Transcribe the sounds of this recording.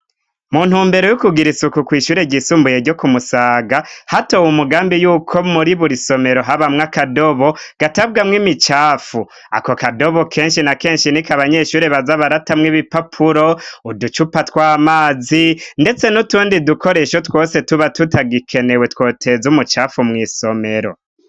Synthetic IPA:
muːn̥huːmbe̞ɾo̞jukuɡiɾisukukwiːʃuːɾe̞ɟisuːmbuje̞ɾɟo̞kumusaːɡahatowumuɡaːmbijuːkʰo̞muɾiβuɾiso̞me̞ɾo̞ɦaβamŋakado̞βo̞ɡ̥atabɡamŋimit͡ʃaːfu | a̰kokado̞βo̞kʰe̞ːnʃinake̞ːnʃinikaβaɲe̞ʃuːɾe̞βazaβaɾatamŋiβipapʰuɾo̞udut͡ʃupatwaːmaːzinde̞t͡se̞nutuːndidukʰo̞ɾe̞ʃo̞two̞ːse̞tuβatutaɡikʰe̞ne̞we̞two̞ːtʰe̞zumut͡ʃaːfumŋiːso̞me̞ɾo̞̰

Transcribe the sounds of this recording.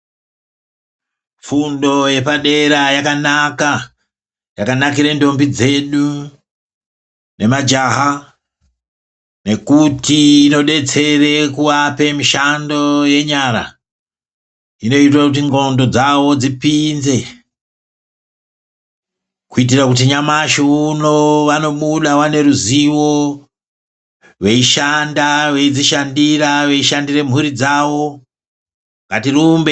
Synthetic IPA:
fundo̞je̞paɗe̞ɾajakanaka | jakanakiɾendo̞mbid͡ze̞ɗu | ne̞mad͡ʒaɦa | ne̞kutiːno̞ɗe̞t͡se̞re̞kuwape̞miʃando̞je̞ɲaɾa̰ | ino̞it̬rakut̬iŋɡo̞ndo̞d͡zawo̞d͡zipinze̞ | kuit̬irakut̬iɲamaʃouno̞ʋano̞ɓuɗawane̞ɾuziwo̞ | ʋe̞iʃandaʋe̞id͡ziʃandiraʋe̞iʃandire̞m̤uɾid͡zawo̞ | ŋɡatirumbe

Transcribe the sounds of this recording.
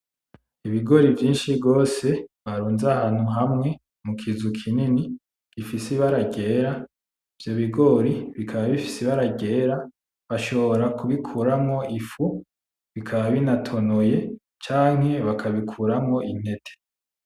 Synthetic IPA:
iβiɡo̞ɾivjiːnʃibɡo̞ːse̞βaɾuːnzahaːn̥huɦamŋe̞ | mukʰizukʰinini | ɡ̥ifisiβaɾaɡe̞ːɾa | ivjo̞βiɡo̞ɾiβikʰaβaβifi̥siβaɾaɟe̞ːɾa | βaʃo̞βo̞ɾakuβikʰuːɾamŋo̞ʔifu | βikʰaβaβinatʰo̞noje̞ | t͡ʃaːŋ̥ɦe̞βakʰaβikʰuːɾamŋo̞ʔin̥e̞tʰe̥

